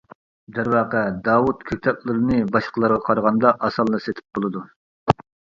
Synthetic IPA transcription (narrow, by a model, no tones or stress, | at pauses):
d̪æɾwɑːqɛd̪ɑːwut̪kʲʰøk̚ʲt̪ʰɛp̚lˠɨɾɨnɨbɑʃqʰəlˠɑɾʁɑqʰɑɾʁɑnd̪ɑʔɑsɑlˠːɨset̪ʰɪ̥p̚bolˠɨd̪u